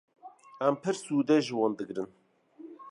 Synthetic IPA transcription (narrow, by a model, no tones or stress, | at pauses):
æmpʰɨɾsuːd̪ɛʒɨwɑːnd̪ɨɡɾɨn